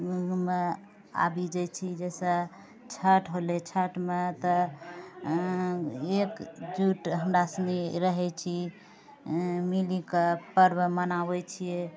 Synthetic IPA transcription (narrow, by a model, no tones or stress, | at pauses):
ume | a̰bid͡ʒɛt͡ʃʰid͡ʒɛsə̃ | t͡ʃʰəʈɦolet͡ʃʰəʈmet̪ɔ | ekd͡ʒuʈɦəmɾasəniɾəɦɛt͡ʃʰi | milikepəɾbəmənabɛt͡ʃʰije